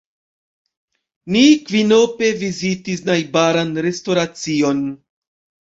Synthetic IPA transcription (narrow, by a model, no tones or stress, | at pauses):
nikvino̞pe̞vizitisnajbaɾanɾe̞sto̞ɾat͡sio̞n